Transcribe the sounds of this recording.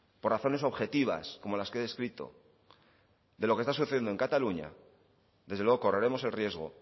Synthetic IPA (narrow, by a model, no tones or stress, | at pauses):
poraθo̞ne̞s̬o̞βxe̞t̪iβa̰sko̞mo̞laskeðe̞skɾit̪o̞̰ | d̪e̞lo̞ke̞st̪as̬uθe̞jnd̪oe̞ŋkat̪aluɲa̰ | ðe̞zðlwe̞o̞ko̞re̞ɾe̞mo̞se̞lrje̞zɣo̞̰